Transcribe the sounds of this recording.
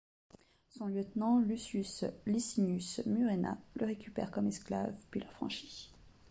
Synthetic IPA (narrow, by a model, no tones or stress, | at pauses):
sɔ̃ljət̪nɑ̃lysyslisinysmyʁena̰lʔəʁekʲʰypɛ̰ʁkɔmɛskla̰vpɥiləʁfχɑ̰̃ʃi̥